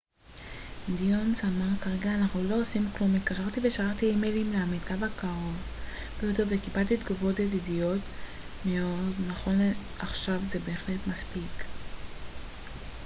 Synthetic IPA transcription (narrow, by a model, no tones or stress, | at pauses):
d̪ionsamaʁkaʁe̞ɡaːnaχnulo̞osimklumit̪kaʃaʁt̪iveʃaχaʁt̪iimelimleamitabakaʁo̞v | b̥ejot̪evekibalt̪it̪ɡovo̞t̪adidijo̞t̪ | me̞o̞dnaχo̞n | ʔaχʃavzebeːχle̞tmaspik